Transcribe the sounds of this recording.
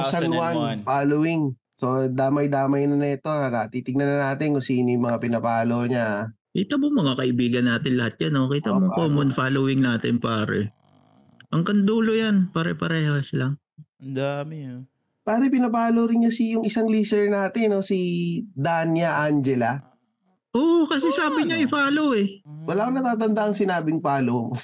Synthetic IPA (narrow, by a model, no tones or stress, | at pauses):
ssɐnwanfaːlowɪŋ | so̞d̪aːmɐjd̪aːmɐjnɐnɐɛt̪o̞anɐt̪it̪ɪɡ̚nɐnɐnaːt̪ɪnkʊsiːnɪjmɐŋapɪnɐpaːloɲaʔkiːt̪ɐmoŋmɐŋakɐʔɪbiːɡɐnːaːt̪ɪnlɐhat̪̚ɲanokiːt̪ɐmoŋkoːmonfaːlowɪŋnaːt̪ɪnpaːɾɛ̰ | ʔɐŋkɐnd̪uːlojanpɐɾɛ̰pɐɾɛːhosɪlaŋ | ɐnd̪amɪɲ | paːɾɛpɪnɐpaːloɾɪɲɲasijʊŋʔɪsaŋliːsɛɹnaːt̪ɪno̞sid̪anjɐʔand͡ʒɛlɐ | ʔoːʔkɐs̬ɛsaːbɪɲoʔɪfaːlowɛwɐlaːkonɐt̪aːt̪̬ɐnd̪aʔɐŋsɪnaːbɪŋpaːlo